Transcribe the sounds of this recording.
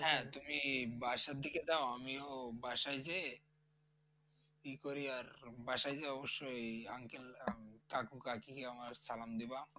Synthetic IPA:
ɦɛ̃t̪umibaʃaɾd̪ʱiked͡ʑaoamiobaʃajd͡ʑe | pikoɾiaɾbaʃajd͡ʑeɔboʃːojaŋkelkakukakikeamaɾsalamd̪iba

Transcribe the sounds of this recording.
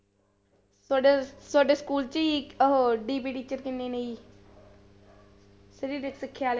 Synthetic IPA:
saɖesaːɖeːskuːlt͡ʃiːɦɖiːpiːʈiːt͡ʃəɾkɪnːeːneiː | səɾiːɾɪksɪkʰːjaːl

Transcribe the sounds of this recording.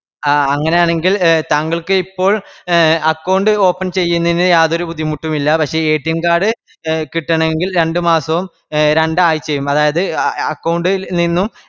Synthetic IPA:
aɐŋːɐne̞jaːɳe̞ŋɡilt̪aːŋɡɐɭkɨipːo̞ːɭɐkːɐwɳɖɨo̞ːpːɐnt͡ɕe̞jːunːɐinjaːðo̞ɾubud̪ʱːimuʈːumilːɐpɐkʂe̞eːʈːijɐmkaːɽɨ | kiʈːɐɳɐeŋɡilɾe̞ɳɖɨmaːsɐʋum | ɾe̞ɳɖaːjit͡ɕːe̞jːumɐðaːjɐðɨɐkːɐwɳɖɨninːum

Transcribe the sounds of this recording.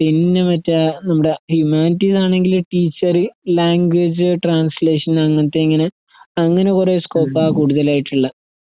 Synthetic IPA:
pinːemɐtːɐnɐmːuɽe̞hjumaːnitːisaːɳe̞ŋɡilʈiːt͡ɕːɐrɨlaːŋɡwed͡ʑɨʈraːnsle̞ːʂɐnɐŋːɐt̪ːeiŋːɐne | ɐŋːɐne̞kure̞ːskoːpːaːkuːɽuðɐlaːjiʈːuɭːɐ

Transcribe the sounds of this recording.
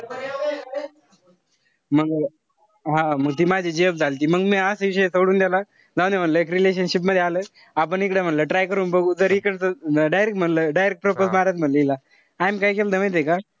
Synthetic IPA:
m̤əɡ | ɦãməɡ̚t̪iːmad͡ʑʱiːd͡ʑeəbd͡zʱalt̪iːməɡmiasʋiɕ̬əjesəɽuːnd̪jala | d͡zaw̃nd̪em̤əɳləek̬ɾileɕ̬ənɕip̬məd̪ʱjealəː | ap̬əɳikɽem̤əɳləʈɾajkəɾuːnbəɡuːd͡zəɾikəɳsəɖajɾekʈm̤əɳləɖajɾek̚ʈ̚pɾoposmaɾat̪m̤ələila | ajmkaikeld̪ʱəmãjt̪̬eka

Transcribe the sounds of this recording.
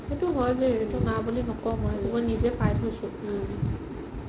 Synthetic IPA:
etuɦɔjbeetʊnabulinɔkɔmɔjetubɔjnizɛpʰajtɦojsʊ̃

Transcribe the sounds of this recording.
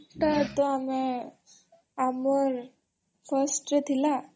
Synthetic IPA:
t̪əɾt̪ɔame | amɔɾ | fʰəsʈet̪ʰila

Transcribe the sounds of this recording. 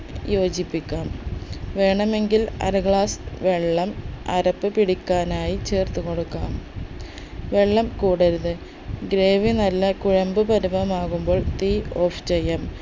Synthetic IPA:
jo̞ːd͡ʑipːikʲːaːmʋe̞ːɳɐme̞ŋɡilɐ̰ɾɐɣɭaːsʋe̞ɭːɐmɐ̰ɾɐpːɨpiɽikʲːaːnaːjit͡ɕe̞ːrt̪uko̞ɽukːaːm | ʋe̞ɭːɐmkuːɽɐɾuðɨ | ɡɾeːʋinɐlːɐkuɻɐmbɨpɐɾubɐmaːɣumbo̞ːɭt̪io̞ːft͡ɕejːɐm

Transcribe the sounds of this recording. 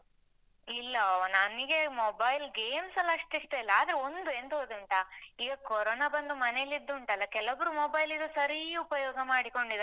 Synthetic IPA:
ilːɐnɐniɡe̞mobɐjlɡe̞ːmsɐlːɐɐʂʈiʂʈ̪elːɐaːd̪ɾeo̞nd̪ue̞nd̪ɦoːd̪uɳʈaiːɡɐkɔɾoːnabɐnd̪umɐnelːid̪ːuːɳʈɐlːɐkɛlɐbɐɾumoːbɐjlid̪usɐɾiupɐjɔːɡɐmaːɽiko̞ɳɖid̪

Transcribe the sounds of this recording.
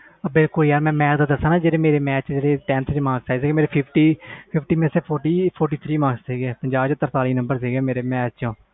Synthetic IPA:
bɪlkʊljaːɾmɛ̃ːmɛːkd̪aːd̪əsãːnãːd͡ʒeːɾeːmeːɾeːmɛːt͡ʃd͡ʒeːɾeːʈɛnt̪ʰt͡ʃmãːsaːzeːɡemeːɾeːpʰɪpʰʈiːpʰɪpʰʈiːmeːseːpʰoːɾʈiːpʰoːɾʈiːt̪ʰɾiːmãːɡsseːɡeːpəɲd͡ʒaːbt͡ʃət̪əɾt̪aːliːnəmbəɾsiːɡeːmeːɾeːmɛːt͡ʃt͡ʃõː

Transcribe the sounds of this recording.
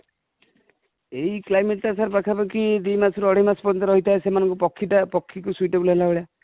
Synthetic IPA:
eiklajmeʈ̚ʈasaɾpakʰapakid̪imasʰɔɾuɔɽ̤imaspɔɾɔnt̪ɔɾɔɦit̪aesemanɔŋkupɔkʰːiʈapɔkʰːikusuiʈebulɦelaboɭja

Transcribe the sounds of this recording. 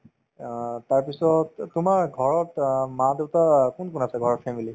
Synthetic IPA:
taɹpisɔttʊmaɹɡʱɔɹɔtmãdeʊtakunkunasɛɡʱɔɹɔtfʰɛmili

